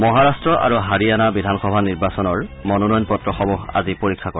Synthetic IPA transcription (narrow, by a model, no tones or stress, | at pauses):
mɔɦaɹastɹɔʔa̰ɹuɦaɹianabidʱanxɔbʱaniɹbasɔnɔɹmɔnɔnɔjɔnpɔtɹɔxɔmɔxa̰zipoɹikʰːakɔ